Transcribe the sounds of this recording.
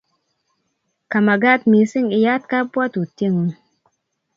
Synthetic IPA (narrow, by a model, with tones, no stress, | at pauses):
ka˨ma˨ɡa˦˨t̚mi˨˦si˦ŋi˨ja˦t̚ka˦pwa˦tu˨ti˦˨ŋu˦ŋ